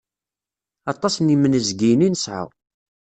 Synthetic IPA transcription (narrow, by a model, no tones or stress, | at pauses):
ɑt̪ˤːɑsnimənəzɡijninəsʕə̰